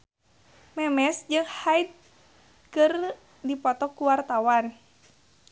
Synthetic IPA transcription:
mɛmɛsd͡ʒɨŋhait̪̚ | kɨr | dipɔt̪ɔkuwart̪awan

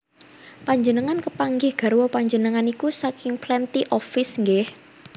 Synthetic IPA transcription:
paɲd͡ʒənəŋankəpaŋɡɪhɡ̥a̤ɾwɔpaɲd͡ʒənəŋanikusakɪŋplɛnt̪iʔɔfɪsŋɡɪh

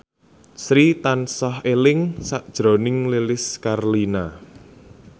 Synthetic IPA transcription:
sɾit̪ansɔhelɪŋsaʔd̥ʒ̥ɾo̤nɪŋlelɪskarlina

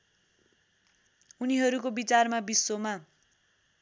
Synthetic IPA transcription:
uniɦʌɾukobit͡sarmabisːoma

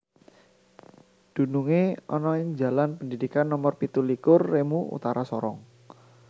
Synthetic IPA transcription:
d̪̥ṳnuŋeɔ̰nɔɪŋd͡ʒa̤lanpəndidikanːɔmɔrpit̪ulikʊrːemuṵt̪aɾasɔɾɔŋ

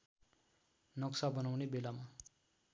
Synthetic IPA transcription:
nʌksabʌnawnebelama

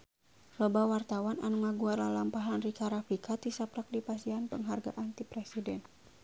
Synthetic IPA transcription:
lɔbawart̪awana̰nuŋaɡuarlalampaɦanrikaɾafikʰat̪isapɾak̚dipasianpəŋɦarɡa̰ʔant̪ipɾɛsidɛn

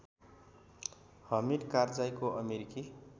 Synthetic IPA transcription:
hʌmiɖkard͡zajkoʔʌmeɾiki

